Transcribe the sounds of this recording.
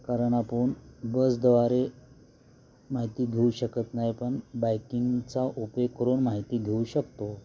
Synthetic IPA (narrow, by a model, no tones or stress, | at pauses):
kaɾəɳapəːɳbəsd̪əʋaɾe | maɦit̪iːɡʱeuɕəkət̪najpəɳbajkiŋɡt͡saʔupekəɾonmaɦit̪iːɡʱeuɕəkt̪o